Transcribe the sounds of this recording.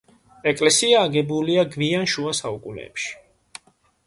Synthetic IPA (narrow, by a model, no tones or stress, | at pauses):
ɛkʼlɛsiaːɡɛbuliaɡvianʃuasaukʼunɛ̰ːpʃi̥